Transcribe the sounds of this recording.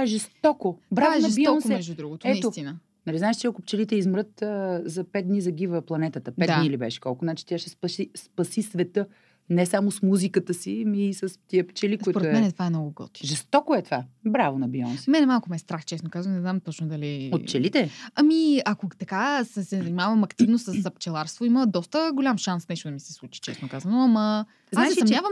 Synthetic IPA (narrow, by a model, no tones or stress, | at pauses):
aɛʒɛst̪ɔkobɾaʒnɐɛb̪iɔnsɛɛʒd͡ʒud̪ɾuɡʊt̪oɛisot̪inə | nɐliznaɛʃt͡ʃɛɐkʊp̚t͡ʃɛlit̪ɛizmɾɤt̪əzɐpɛd̪̚d̪nizɐɡivəplˠɐnɛt̪ət̪əpɛd̪anilibɛʃɛ̥kɔlˠkʊnat͡ʃi̥t̪ʲjaʃɛspɐʃispɐsisvɛt̪ɤ | nɛsamosmuzikət̪əsimiːsəst̪iəpt͡ʃɛlik̪oitpoɾmɛnɛt̪vaɛmnɔɡʊɡɔ̰t̪i̥ʒɛst̪ɔkoɛt̪ovabɾavonɐbiɔnsimɛnɛmalˠkʊmɛst̪ɾaxt͡ʃɛsnokazvənnɛznamt̪ɔt͡ʃnʊd̪ɐliot̪t͡ʃɛlit̪ɛɐmiɐkot̪ɐkasɛsɛzɐnimavɐmɐkt̪ivnosəssɐpt͡ʃɛlˠaɾst̪voiməd̪ɔst̪əɡolʲamʃansnɛʃt̪ʊd̪ɐmisɛ̥slˠut͡ʃi̥t͡ʃɛsnokazənʊɐmɐ | zaaɛɐmnʲavəm